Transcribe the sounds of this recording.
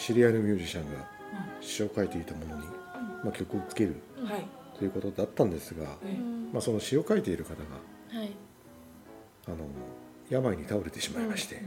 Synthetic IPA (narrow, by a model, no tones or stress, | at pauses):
ɕiɾʲianomʲjɨ̟ːʑiɕãŋɡa | ɕi̥o̞ːkaet̪e̞it̪amo̞no̞ɲ̟imakʲo̞kɯ̟ot͡sɨ̥ke̞ɾɯ̟ | t̪o̞jɯ̟ko̞t̪o̞d̪at̪ːãnd̪e̞sɨɡamaso̞no̞ɕio̞kaet̪e̞iɾɯ̟kat̪aɡa̰ | ano̞ | jamaiɲ̟it̪ao̞ɾe̞t̪e̞ɕimaimaɕi̥t̪e̞